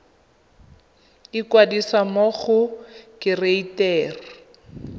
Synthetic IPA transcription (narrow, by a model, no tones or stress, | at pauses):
ɪkwadisamoɣʊkɪreitɛːri